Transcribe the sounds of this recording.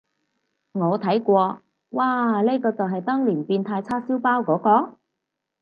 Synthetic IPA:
ŋɔː˨˧t̪ʰɐ˨˥jkʷɔː˧ | waː˧le˥kɔː˧t͡sɐ˨wɦɐ˨jt̪ɔː˥ŋliː˨˩npiː˧nt̪ʰaː˧jt͡sʰaː˥siː˥wpaː˥wkɔː˨˥kɔː˧

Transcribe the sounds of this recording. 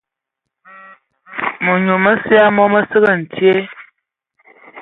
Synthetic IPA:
mu˨ɲu˨mə˦sja˦mɔ˦mə˦sə˦ɣə˦˨n̩˨tje˦

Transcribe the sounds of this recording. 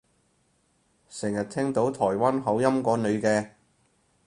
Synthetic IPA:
sɪ˨˩ŋjɐ˨˩t̚t̪ʰɛ˥ŋt̪o˨˥wt̪ʰɔː˨˩jwaː˥nɦɐ˨˥wjɐ˥mkɔː˨˧˥nɵ˨˧ɥkɛː˧

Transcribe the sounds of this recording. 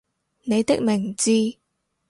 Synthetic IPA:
ne˨˧jt̪ɪ˥k̚mɪ˨˩ŋt͡siː˧

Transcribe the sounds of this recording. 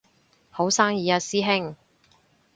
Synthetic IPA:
ho˨˥wsaː˥ŋjiː˨a˧siː˥ɦɪ˥ŋ

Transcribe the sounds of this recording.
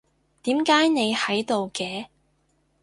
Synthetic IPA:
t̪iː˨˥mkaː˨˥jne˨˧jhɐ˨˥jt̪o˨wkɛː˧

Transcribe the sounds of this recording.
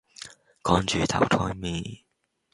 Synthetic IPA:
kɔː˨˥ŋt͡ʃyː˨t̪ʰɐ̰˨˩wt̪ʰɔː˧˥jmiː˨˩

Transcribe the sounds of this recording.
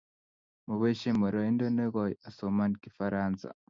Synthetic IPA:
mu˨βe˦ʃe˦mo˨ɾo˨i˦ndo˦ne˦ɣo˨ja˨so˨ma˦n˨ki˨fa˦ɾaː˦nt͡sa̰˨

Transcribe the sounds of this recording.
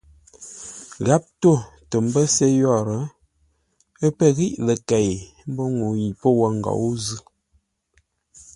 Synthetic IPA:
ɣa˨˦p̚to˦˨tə˨m˦bə˦se˦jɔ˦˨ɾə˨˦ | ə˦pə˦˨ɣi˦ʔlə˨ka˨ji˨ | m̩˦bo˦ŋo˨ji˨po˦wə˦˨ŋ˨ɡa̰˨wu˦zɯ˦

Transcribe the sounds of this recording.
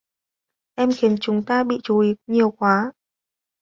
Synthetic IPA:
ʔɛ˧mxi˨˦ənt͡ɕʊ˨˦ŋ͡mt̪aː˧ɓḭ˧˨t͡ɕu˨˦ʔi˨˦ɲi˨˩əwkwaː˨˦

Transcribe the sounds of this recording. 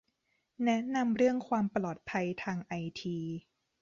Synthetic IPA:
nɛ˦˥ʔna˧mɾɯ˥˩əŋkʰwaː˧mplɔː˨˩t̪̚pʰa˧jt̪ʰaː˧ŋʔa˧jt̪ʰiː˧

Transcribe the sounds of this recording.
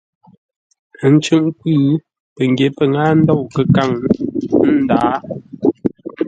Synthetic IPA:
n̩˦t͡ʃʉ˦ŋpʉː˦˨ | pə˨ŋ˨ɡje˨˦pə˨ŋaː˦n̩˦dɔ˦˨wkə˦ka˦˨ŋ̩˦ | daː˨˦

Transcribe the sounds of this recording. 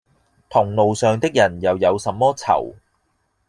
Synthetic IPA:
t̪ʰʊ˨˩ŋlo˨wsœː˨ŋt̪ɪ˥k̚jɐ˨˩njɐ˨wjɐ˨˧wsɐ˨˧mːɔː˥t͡sʰɐ̰˨˩w

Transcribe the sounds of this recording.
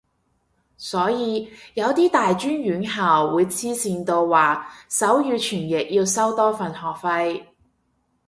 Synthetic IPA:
sɔː˨˥jiː˨˧jɐ˨˧wt̪iː˥t̪aː˨jt͡ʃyː˥njyː˨˥nɦaː˨wːuː˨˧jt͡sʰiː˥siː˨˧nt̪o˧wwaː˨˩sɐ˨˥wjyː˧t͡ʃʰyː˨˩njɪ˨k̚jiː˧wsɐ˥wt̪ɔː˥fɐ˨nhɔː˨˩k̚fɐ˧j

